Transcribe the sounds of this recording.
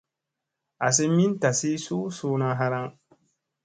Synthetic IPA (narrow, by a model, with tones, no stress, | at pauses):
a˨s̬ɪ˦mi˦n˦ta˨si˦suː˦suː˦na˦ɦa˦ɾa˦ŋ